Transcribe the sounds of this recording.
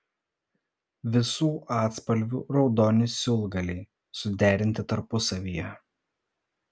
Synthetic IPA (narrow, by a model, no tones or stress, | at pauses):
ʋʲɪsuːʔɑːt̪spɐlʲʋʲṵːɾɒʊd̪ɔːnʲɪsʲʊlˠɡɐlʲɛɪ | sʊd̪ʲæːɾʲɪnʲt̪ʲɪt̪ɐɾpʊsɐʋʲiːjɛ